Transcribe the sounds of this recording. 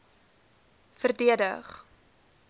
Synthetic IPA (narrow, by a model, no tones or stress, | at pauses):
fərdiədəχ